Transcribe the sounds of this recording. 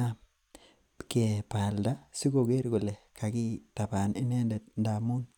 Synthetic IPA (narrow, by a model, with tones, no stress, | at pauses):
a˦ | ke˨pa˨lda˦si˦ɡo˨ɡe˦ɾɡo˨le˨kʰa˨ki˦ta˨pa˨ni˦ne˦nde˨t̚nda˨mu˦n